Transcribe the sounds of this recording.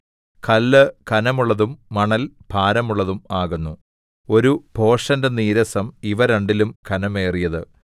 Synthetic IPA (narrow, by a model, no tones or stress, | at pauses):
kʰɐlːɨkɐnɐmuɭːɐðumːɐɳɐlb̥ʱaːɾɐmuɭːɐðumaːɣunːu | o̞ɾubʱo̞ːʂɐndɐniːɾɐsɐmiʋɐɾɐɳɖilumkʰɐnɐme̞ːrijɐðɨ